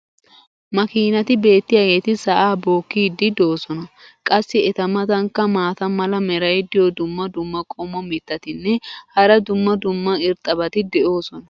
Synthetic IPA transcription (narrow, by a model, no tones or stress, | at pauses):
mɐkiːnɐt̪ɪbe̞ːt̪ːɪjajet̪ɪsɐʔaːbo̞ːkːiːd̪ːɪd̪o̞ːsɔnɐkʼɐsːɪɛt̪ɐmɐt̪ɐŋkːɐmaːt̪ɐmɐlɐmɛɾɐjd̪ɪjɔd̪ʊmːɐd̪ʊmːɐkʼɔmɔmɪt̪ːɐt̪ɪnːɛhɐɾɐd̪ʊmːɐd̪ʊmːɐɪɾt̪ʼːɐbɐt̪ɪd̪ɛʔo̞ːsɔnɐ